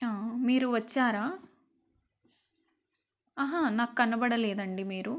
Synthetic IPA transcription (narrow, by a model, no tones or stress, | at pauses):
aːmiːɾuʋɐt͡ʃːaːɾaː | ɐɦanaːkːɐnɐbɐɽɐlɛːd̪ɐɳɖimiːɾu